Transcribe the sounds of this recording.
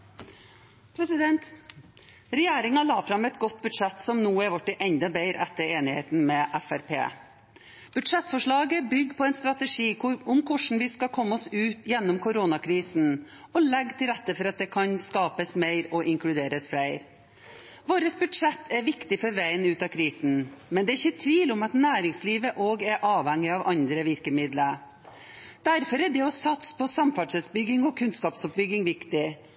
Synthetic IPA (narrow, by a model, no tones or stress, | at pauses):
pʰɾɛsɪd̪ɛnt̪ | ɾɛjeːɾɪŋɑlɑːfɾɑmɛt̪ɡɔt̪ːbʉd̪ʂɛt̪sɔmnuːæɾʋɑʈːəʔɛnd̪ɑbeɪɾɛt̪ːəɾeːnɪheːt̪n̩mɛʔæfæɾpʰḛː | b̥ʉd̪ʂɛt̪ːfɔʂɭɑːɡəbʏɡːpʰɔɛnst̪ɾɑt̪əʂiːʊmkʰʊʂɳ̩ʋɪskɑkʰɔmːəɔsʉːt̪jɛnːɔmkʰʊɾoːnɑkʰɾiːsn̩ | ɔlɛɡːt̪ʰɪlɾɛt̪ːəfɔɾɑt̪̚d̪ɛkʰɑnskɑːpəsmæɪɾɔʔɪŋklʉd̪eːɾəsfɽæɪɾ | ʋoːɾəsbʉd̪ʂɛt̪ʰːɛɾʋɪkt̪ɪfɔɾʋæɪənʉːt̪ɑkʰɾiːsn̩mɛnd̪ɛːɪçːət̪ʰʋiːlɔmɑt̪næːɾɪŋsliːʋəʔoːɡæɾʔɑːʋhɛŋːɪɑʋʔɑnd̪ɾəʋɪɾkəmɪd̪lə | d̪̥æɾfɔɾɛɖɛɔsɑt̪spʰɔsɑmfæɖʂɛsbʏɡɪŋɔkʰʉnskɑːpsɔp̚bʏɡɪŋʋɪkt̪ɪ